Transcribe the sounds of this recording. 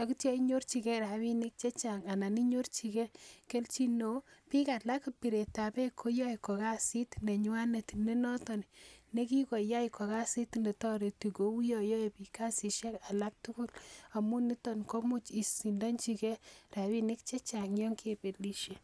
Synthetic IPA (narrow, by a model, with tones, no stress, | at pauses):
a˨ku˦ta˦iɲo˦ɾt͡ʃi˨kɛ˦ɾa˨wi˦ni˦k̚t͡ʃɛ˦t͡ʃa˨ŋa˨na˨ni˦ɲo˦rt͡ʃi˨kɛ˦ke˦lt͡ʃi˦no˨˦pi˦ka˨la˦kpi˨ɾe˨ta˨pɛ˦kʰo˦ja˦jkɔ˨ka˦si˦tne˨ɲwa˦ne˨tne˦nɔ˦tɔ˨nine˦ki˦kɔ˨ja˦jkɔ˨ka˦si˦tnde˨tɔ˦ɾe˨tu˨ɡo˨wu˦jɔ˨jo˦e˨pi˨ka˦si˨ʃa˦ka˨la˦k̚tʊ˦kʊ˦la˨mu˦ni˦tɔ˨nko˦mu˦t͡ʃi˨si˨nda˦nt͡ʃi˨kɛ˦ra˨wi˦nɪ˦kt͡ʃɛ˦t͡ʃa˨ŋjɔ˦ŋkʰe˨pe˨li˦ʃe˦